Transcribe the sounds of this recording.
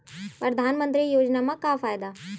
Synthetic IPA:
pɾəd̪ʱaːnmə̃nt̪ɾijoːd͡ʒnamãkafaːjd̪aː

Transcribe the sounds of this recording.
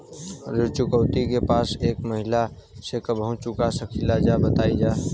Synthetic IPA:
ɾɪɾt͡ʃʊkəʊt̪ikepaːseːkməɦɪla | sekəbɦũt͡ʃʊkasəkʰilad͡ʒabət̪aːid͡ʒaː

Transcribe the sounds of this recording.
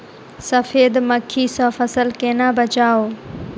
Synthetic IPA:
sɐfeːd̪məkʰːiːsɔ̃ːfɐsəlkeːnaːbət͡ʃaːoː

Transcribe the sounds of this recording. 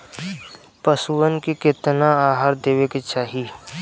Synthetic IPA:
pəsuənkikɪt̪naaːɦaːɾd̪eːʋeket͡ʃaːɦi

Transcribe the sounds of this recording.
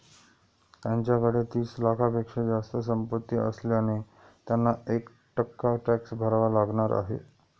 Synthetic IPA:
t̪jaɲt͡ɕjakəɽet̪iːslakʰapekʂed͡zast̪əs̬əmpət̪ːiʔə̰sljane | t̪janːaek | ʈəkːaʈæksbʱəɾaʋalaɡɳ̃aɾʔa̰ɦḛ

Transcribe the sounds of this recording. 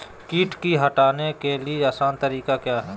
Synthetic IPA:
kiːʈkiɦɐʈaːnekelieaːsaːnt̪əɾiːkakjaːɦɛː

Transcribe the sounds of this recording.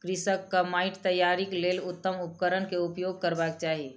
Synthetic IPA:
kɾɪsəkːəmaːɪʈt̪əjːaːɾikleːlʊt̪ːəmʊp̚kəɾənkeʊpjoːɡ̚kəɾbakt͡ʃaːɦi

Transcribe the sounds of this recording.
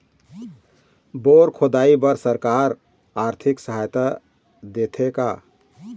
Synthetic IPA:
boɾkʰod̪aibəɾsəɾkaɾ | aɾt̪ʰiksəɦajt̪a | d̪et̪ʰeka

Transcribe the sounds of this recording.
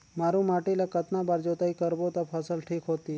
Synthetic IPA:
maɾũmaʈilakət̪nabaːɾd͡ʒot̪aikəɾbot̪apʰəsəlʈʰiːkɦot̪i

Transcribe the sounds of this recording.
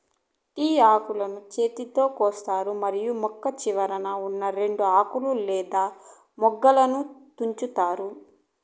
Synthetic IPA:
iːaːkulɐnut͡ʃe̞ːt̪it̪o̞ːkɔːst̪aːɾumɐɾijumɔkːɐt͡ʃiʋɐɾɐnɐunːɐɾe̞ɳɖuaːkululɛːd̪aː | mɔɡːɐlɐnut̪uɲt͡ʃut̪aːɾu

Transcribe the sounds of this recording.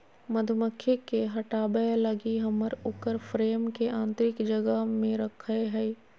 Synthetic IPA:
mɐd̪ʱməkʰːekeɦɐʈaːblɐɡiɦɐməɾʊkəɾfɾeːmkeʔãːnt̪ɾɪkd͡ʒɐɡəɦmẽɾɐkʰeɦɛ

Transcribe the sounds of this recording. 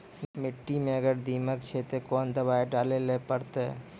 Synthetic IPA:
mɪʈːimẽəɡəɾd̪iməkt͡ʃʰet̪ekɔːnd̪əbaːeɖalelepəɾt̪e

